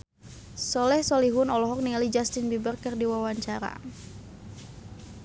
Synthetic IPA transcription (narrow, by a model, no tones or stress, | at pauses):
sɔlɛhsɔliɦʊnɔlɔɦɔk̚niŋalid͡ʒast̪inbibərkɨrdiwawaɲt͡ʃaɾa̰